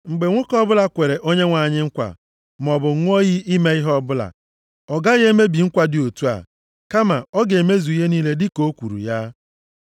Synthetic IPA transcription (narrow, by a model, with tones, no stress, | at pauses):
ŋ͡m̩˨ɡ͡be˨ŋʷʊ˦kɔ˦bʊ˦la˨kʷe˨ɾe˨ʔo˦ɲe˦ŋʷa˨ɲɪ˦ŋ̩˦kʷa̰˨ | m˨ɔ˨bʊ˨ŋ̩˦ŋʷ˦o˦ɣi˦i˦me˦i˦ɦɔ˦bʊ˦la̰˨ | ɔ˨ɡa˦ɣe˦me˦bi˨ŋ̩˦kʷa˨dɪ˨o˨tu˦a̰˨ | ka˦ma̰˨ɔ˦ɡe˨me˦zu˨i˦ɦe˦niː˦le˦dɪ˦ko˦kʷu˨ɾṵ˨ja˦